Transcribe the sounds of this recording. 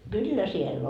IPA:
kylːæ siel

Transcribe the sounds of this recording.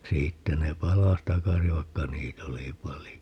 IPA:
siːtːæ ne pɑlɑs tɑkɑsi ʋɑikːɑ niːt oli pɑlijo

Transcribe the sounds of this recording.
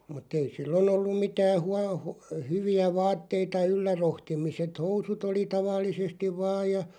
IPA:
mutˑ ei silːon olːum̆ mitæː huɑ hu hyʋiæ ʋɑːtːeitɑ ylːæ rohtimiset housut oli tɑʋɑlːisestiʋ̆ ʋɑːj jɑ

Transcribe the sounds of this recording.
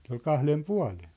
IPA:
se ol kɑhlem puɑ̝len̞

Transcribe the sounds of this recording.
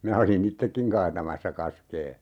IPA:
minæ olin itːekːiŋ kɑːtɑmɑsːɑ kɑskeː

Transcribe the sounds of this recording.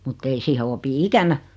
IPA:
mutː ei siːhe opi ikænæ

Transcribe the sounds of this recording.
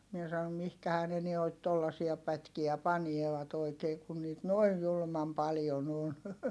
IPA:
mie sɑom mihkæhæː ne nuoit tolːɑsiɑ pætkiæ pɑnieʋɑt oikeː kun niːt noij julŭmɑm pɑljon on

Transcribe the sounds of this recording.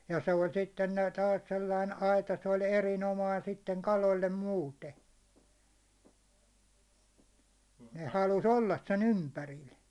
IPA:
jɑ se olʲ sitːen næːt tɑːs selːɑin ɑitɑ se olʲ erinomɑin sitːeŋ kɑlolʲːe muːte ne hɑlus olːɑs sen ympæril

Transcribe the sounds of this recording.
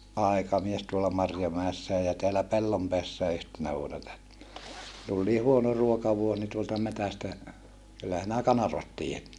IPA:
ʔɑˑi̯kɑmies tuolɑ mɑrjomæesːæː jɑ teælæ pelːompeæsːæː yhtenæ ʋuonɑ tul niː huono ruokɑʋuos ni tuoltɑ metæstæ kylːæ sinæ kɑnɑrʋɑt tiːjæt

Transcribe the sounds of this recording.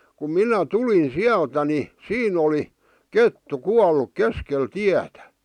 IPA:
kum minæ tulin siæltæ ni siːn oli ketːu kuɑlːuk keskel tiætæ

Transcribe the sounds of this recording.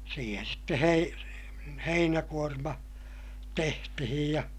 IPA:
siːhen̞ sitːe hei heinækuormɑ tehtihij jɑ

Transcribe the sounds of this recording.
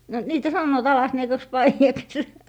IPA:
no niːtæ sɑnːoːt ɑlɑsniekɑks pɑijɑks

